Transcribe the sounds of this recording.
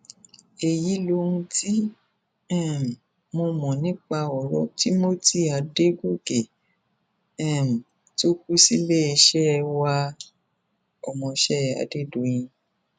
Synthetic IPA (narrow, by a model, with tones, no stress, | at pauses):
e˨ji˨˦lo˦ũ˧˦ti˦ | ɛ̃˦˨m̩˨ | mo˧mɔ̃˨nĩ˨˦k͡pa˧ɔ˨ɾɔ̰˦ti˦mo˦ti˦˨a˨de˦ɡo˦ɡe˨ | ɛ̃˦˨m̩˨ | to˦k̚u˦si˦le˦e˧ʃɛ˦˧wa˧ | ɔ˨mɔ̃˧ʃɛ˦˨a̰˨˧de˦do˨jĩ˧